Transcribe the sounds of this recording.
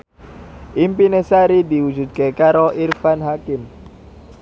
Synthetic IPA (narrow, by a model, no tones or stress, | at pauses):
ʔimpinesaɾid̪i̤wu̥d͡ʒṳt̪̚kekaɾoʔirfanɦakɪm